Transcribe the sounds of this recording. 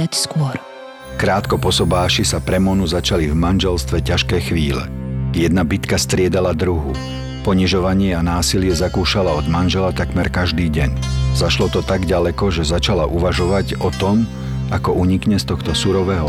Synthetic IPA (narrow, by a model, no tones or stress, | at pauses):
acskʊɔɾ | kɾaːt̪kɔpɔsɔbaːʃisapɾɛmɔnuzat͡ʃalivmanʒɛlst̪ʋɛcaʃkɛːxʋiːlɛ̰jɛd̪nabit̪kast̪ɾɪɛd̪alad̪ɾuɦu | pɔɲiʒɔʋaɲɪɛanaːsilɪɛzakuːʃalaɔd̪manʒɛlat̪akmɛɾkaʒd̪iːɟɛɲzaʃlɔt̪ɔt̪aɡɟalɛkɔʒɛzat͡ʃalaʔuʋaʒɔʋaɟɔt̪ɔm | akɔʔuɲikɲɛst̪ɔxt̪ɔsuɾɔʋɛɦɔ